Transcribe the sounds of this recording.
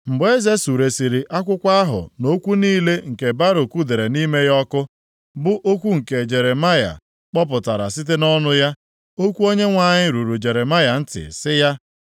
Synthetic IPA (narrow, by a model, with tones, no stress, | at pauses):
m̩˨bʊ˨˦e˦ze˦su˨ɾe˨si˨ɾi˨ʔa˦kʷʊ˦kʷa˦a˦ɦʊ̰˨no˦kʷu˦niː˦le˦ŋ̩˨ke˨ba˦ɾo˨kʷu˦de˨ɾe˨ni˦me˦jɔ˦kʊ˦ | bʊ˦ʔo˦kʷu˦ŋ̩˨ke˨d͡ʒe˨ɾe˨ma˦ja̰˨ | k͡pɔ˦p̬ʊ˨ta˨ɾa̰˨sɪ˦t̬e˦nɔ˦nʊ˦ja˦ | o˦kʷu˦o˦ɲe˦ŋʷa˨ɲɪ˦ɾu˨ɾu˨d͡ʒe˨ɾe˨ma˦ja˨n̩˦tɪ̰˨sɪ˦ja˦